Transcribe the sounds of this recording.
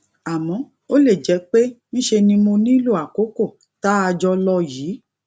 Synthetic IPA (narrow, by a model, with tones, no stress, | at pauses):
a˨mɔ̃˨˧˦ | o˦le˦˨d͡ʒɛ˨˦k͡pe˦ñ̩˦ʃe˧nĩ˧mo˧nĩ˦lu˦˨a˨ko˨˦ko˦˨ | ta˦a˧d͡ʒɔ˧lɔ˧jiː˨˦